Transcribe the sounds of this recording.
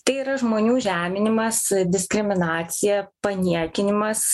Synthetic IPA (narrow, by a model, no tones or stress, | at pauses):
t̪ɐɪiːɾɐʒmoːnʲuːʒʲæːmʲɪnʲɪmɐsd̪ʲɪsʲkɾʲɪmʲɪnɑːt̪sʲɪjɛpɐnʲiɛkʲɪnʲɪmɐs